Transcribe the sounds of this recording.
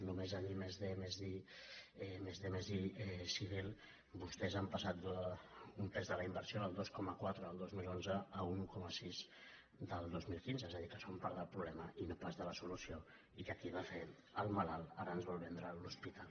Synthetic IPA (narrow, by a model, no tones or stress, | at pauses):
numezənimezðemezði | mezðemezðiɛsiβ̞il | bust̪ɛzampəsat̪ | umpɛzðələimbəɾsijoðəlˠd̪oskɔməkwat̪ɾəðəlˠd̪ozmilonzəːunukɔməsiz | d̪əlˠd̪ozmilˠkinzəezəðikəsompaɾðəlˠpɾuβlɛməʔinopazðələsulusio | ikəkiðafe | əlˠməlalˠaɾəːnzβɔlˠβɛnd̪ɾəːluspit̪alˠ